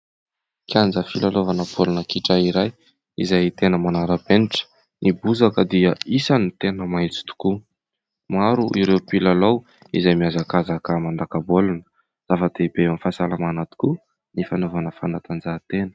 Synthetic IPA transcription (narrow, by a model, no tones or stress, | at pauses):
kjand͡zəfilalovanəpʰolunəkiʈ͡ʂaiɾaj | ḭzajt̪enəmanaɾəpeniʈ͡ʂə̥ | nibuzakəd̪iəisanit̪enəmajt͡si̥t̪u̥ku | maɾuʔiɾewpilalow | izajmiazakazakəmanɖ͡ʐ̪akəbolnə̥ | z̥afəd̪̥ebeamfasalamanat̪i̥ku | nifanovanəfanat̪and͡zat̪enə̥